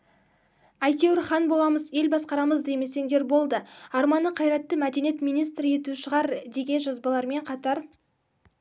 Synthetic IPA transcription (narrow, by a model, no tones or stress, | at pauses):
ɑjt̪ewɪɾχɑnbo̞lˠɑməze̞lbɑsqɑɾɑməzd̪e̞jme̞se̞ŋd̪e̞ɾbo̞lˠd̪əɑɾmɑnəqʰɑjɾɑt̪ːəmæd̪e̞nijet̪mijnijst̪ɾəe̞t̪uʃəʁɑɾd̪e̞ɡʲe̞nʒɑzbɑlˠɑɾme̞ɴqʰɑt̪ɑɾ